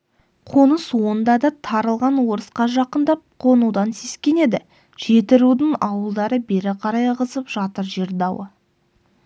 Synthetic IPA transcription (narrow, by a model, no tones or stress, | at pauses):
qʰo̞nəswo̞nd̪ɑd̪ɑt̪ʰɑɾəlˠʁɑnwo̞ɾəsqɑʒɑqənd̪ɑp̚qʰo̞nud̪ɑnse̞skʲe̞ne̞d̪ɪ | ʒ̥e̞t̪ɪɾud̪əɴɑwəlˠd̪ɑɾəbe̞ɾɪqʰɑɾɑjʁəzəpʒ̥ɑt̪əɾʒeɾd̪ɑwə